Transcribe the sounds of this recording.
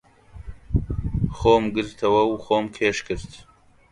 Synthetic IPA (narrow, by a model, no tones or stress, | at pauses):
xoːmɡɨɾt̪ʰɐwɐwxoːmkʰeːʃkɨɾt̪